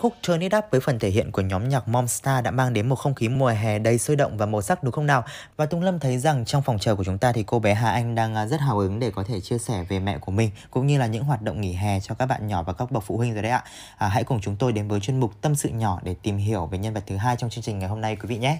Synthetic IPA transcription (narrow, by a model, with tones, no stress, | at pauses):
xʊ˦˥k̚t͡ɕəː˧ni˦˥t̚ɗaː˦˥p̚vəː˨˦jfə˨˩nt̪ʰe˧˩ɦḭ˧˨ənku˧˩əɲɔ˨˦mɲaː˨˩k̚mɔ˧mst̪aː˧ɗa̰ː˧˥maː˧ŋɗe˨˦nmo˨˩t̚xə˧wŋ͡mxi˨˦mu˨˩əjɦɛ˨˩ɗə˨˦jsəː˧ɗə̰˧˨wŋ͡mvaː˨˩mo˨˩sa˦˥k̚ɗʊ˨˦xə˧ŋ͡mnaː˨˩w | vaː˨˩t̪ʊ˧wŋ͡mlə˧mt̪ʰə˨˦jza˨˩ŋt͡ɕɔ˧wŋ͡mfɔ˨˩wŋ͡mt͡ɕəː˨˩ku˧˩ət͡ɕʊ˨˦ŋ͡mt̪aː˧t̪ʰi˨˩ko˧ɓɛ˨˦ɦaː˨˩ʔa˧jŋ̟ɗaː˧ŋʔːzə˦˥t̚ɦaː˧˩wʔɨ˨˦ŋɗe˧˩kɔ˨˦t̪ʰe˧˩t͡ɕi˧əsɛ˧˩ve˨˩mɛ̰˧˨ku˧˩əmï˨˩ŋ̟kʊ̰˧˥ŋ͡mɲɨ˧laː˨˩ɲɨ̰˧˥ɦwaː˨˩t̚ɗə̰˧˨wŋ͡mŋi˧˩ɦɛ˨˩t͡ɕɔ˧kaː˦˥k̚ɓa̰ː˧˨nɲɔ˧˩vaː˨˩kaː˦˥k̚ɓə˨˩k̚fṵ˧˨hwï˧ŋ̟zɔː˨˩ɗə˧ʔa̰ː˧˨ | ʔːɦa̰˧˥jkʊ˨˩ŋ͡mt͡ɕʊ˨˦ŋ͡mt̪o˧jɗe˨˦nvəː˨˦jt͡ɕwi˧nmʊ˨˩k͡p̚t̪ə˧msɨ̰˧˨ɲɔ˧˩ɗe˧˩t̪i˨˩mɦi˧˩əwve˨˩ɲə˧nvə˨˩t̚t̪ʰɨ˨˦ɦaː˧jt͡ɕɔ˧wŋ͡mt͡ɕɨ˧əŋt͡ɕï˨˩ŋ̟ŋa˨˩jɦo˧mna˧jkwi˨˦vḭ˧˨ɲɛ˨˦